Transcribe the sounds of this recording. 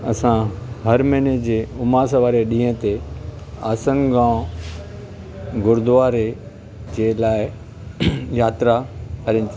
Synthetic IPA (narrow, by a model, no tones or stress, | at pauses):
ɐsãɦɐɾmẽːned͡ʑeːʊmaːs̬əʋaːɾeɗĩːẽt̪e | aːsənɡãː | ɡʊɾd̪ʊaːɾe | d͡ʑeːlaːɪ | jaːt̪ɾaɐɾɪnɪt̪ʰ